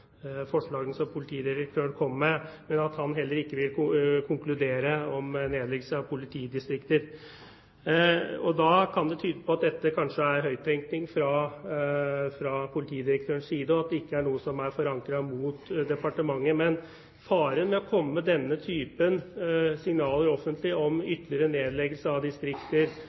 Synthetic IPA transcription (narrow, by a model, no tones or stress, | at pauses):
fɔʂɭɑːɡənsɔmpʰʊlɪt̪ʰiːd̪ɪɾək̚t̪ʰøːɳkʰɔmːmɛmɛnɑt̪hɑnɦɛlːəɾɪkːəʋɪlkʊkʰʊŋklʉd̪eːɾəɔmneːd̪lɛɡəsəɑʋpʰʊlɪt̪ʰiːd̪ɪst̪ɾɪkt̪əɾ | ɔd̪ɑkʰɑnd̪ɛt̪ʰyːd̪əpʰɔɑt̪̚d̪ɛt̪ːəkʰɑnʂəæɾɦœʏt̪ʰɛŋknɪŋfɾɑ | fɾɑpʰʊlɪt̪ʰiːd̪ɪɾək̚t̪ʰøːɾəɳsiːd̪əɔɑt̪̚d̪ɛɪkːəæɳuːəsɔmæɾfɔɾɑŋkɾɑmuːt̪d̪ɛpɑʈəmɑŋːəmɛn | fɑːɾənmɛɔkʰɔmːəd̪ɛnːət̪ʰyːpənsɪŋnɑːləɾɔfːənt̪ʰlɪɔmʏt̪ːlɪəɾəneːd̪lɛɡəlsəɑʋd̪ɪst̪ɾɪkt̪əɾ